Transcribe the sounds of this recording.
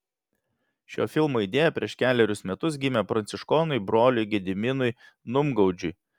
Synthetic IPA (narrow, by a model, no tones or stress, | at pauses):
ʃʲo̰ːfʲɪlˠmoːid̪ʲeːjɛpʲɾʲiɛʃkʲæːlʲɛɾʲʊsmʲɛt̪ʊs̬ɡʲɪmʲɛpɾɐnʲt̪sʲɪʃkɔːnʊɪbɾoːlʲʊɪɡʲɛd̪ʲɪmʲɪnʊɪ | nʊmɡɐʊd͡ʒʲʊɪj